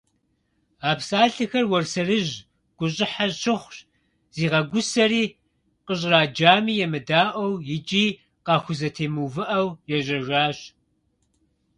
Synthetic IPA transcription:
aːpsaːɬɨxɐrwɔrsɐrɨʑ | ɡ̥ʷʊɕ̬ʼɪħaɕɪχʷɕ | z̥iːʁɐɡʷʊsɐɾiː | qəɕ̬ʼraːd͡ʒaːmiːjɛmɨdaːʔʷɐwjɪd͡ʒʼiː | qɑːxʷʊzɐtʰeːmuvɨʔɐwjɛʑɐʒʷaːɕ

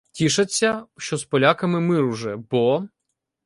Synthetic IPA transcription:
tʲiʃɐt͡sʲːɐʃt͡ʃɔspɔlʲakɐmɪmɪɾwʒɛbɔ

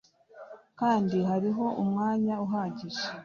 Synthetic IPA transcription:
kaːndiɦaɾiɦo̞ʔumŋaːɲauɦaːɟiʒe

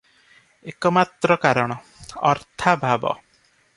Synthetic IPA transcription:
ekɔmat̪ɾɔkaɾɔɽ̃ɔ | ɔ̰ɾt̪ʰabʱabɔ̰

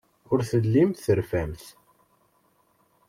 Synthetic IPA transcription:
ʊɾθəlːimθθəɾfæmθ

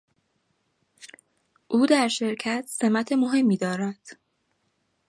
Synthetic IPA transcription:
ʔuːd̪æɾʃe̞ɾcʰæt̪ʰse̞mæt̪ʰe̞mo̞ɦe̞mːiːd̪ɒːɾæd̪̥

